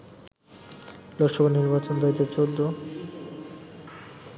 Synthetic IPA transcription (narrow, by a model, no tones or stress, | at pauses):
lokʃɔbʱaniɾbat͡ɕond̪ait̪at͡ɕod̪ʱːo